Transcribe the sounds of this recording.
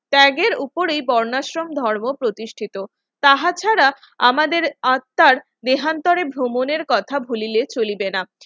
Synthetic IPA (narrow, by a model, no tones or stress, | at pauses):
ʈɛɡeɾupoɾejbɔɾnaʃɾomd̪ʱɔɾmopɾot̪iʃʈʰit̪o | t̪aɦat͡ɕʰaɾa | amad̪eɾat̪ːaɾ | d̪eɦant̪ɔɾebʱɾomoneɾkɔt̪ʰabʱulilet͡ɕolibena